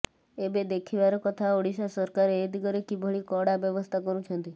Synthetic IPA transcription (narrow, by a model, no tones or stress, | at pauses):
ebed̪ekʰiʋaɾɔkɔt̪ʰaoɽiʃasɔɾkaɾeed̪iɡɔɾekibʱəɭikɔɽabjəʋɔst̪ʰakɔɾũt͡ʃʰənt̪i